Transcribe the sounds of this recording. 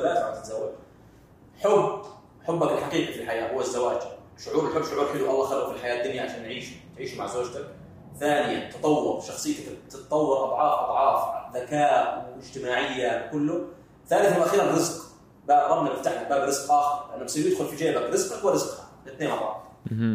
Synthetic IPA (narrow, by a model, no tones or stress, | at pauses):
alaːt̪wat̪ɪ̥t̪zawːad͡ʒ | ħʊbː | ħʊbːakɪlħaqiːqifilħajaːhʊwːazːawaːd͡ʒ | ʃʊʕuːɾɪlħʊbːʃʊʕuːɾħɪluʔɑlˤːɑːxalʔufilħajaːd̪ːʊnjaʕaʃaːnːʕiːʃt̪ʕiːʃumaʕzoːd͡ʒt̪ak̚ | θaːnɪjant̪ɑt̪ˤɑwːʊɾʃɑxsˤɨjːt̪akt̪ɪt̪t̪ˤɑwːɑɾʔɑd̪ˤʕɑːfʔɑd̪ˤʕɑːfðakaːʔwɪd͡ʒt̪ɪmaːʕɪjːakʊlːʊ | θaːnɪθalʔaxiːɾarɾɪzq | baʔɾˤɑbnalɪft̪aħnak̚baːbɾɪz̥qʔaːxɪɾlʔanːabsiːjɪd̪xʊlfid͡ʒaːʔbakɾɪzqwaɾɪzqhḁɪt̪neːnʔɑrˤːɑ̰ːt̪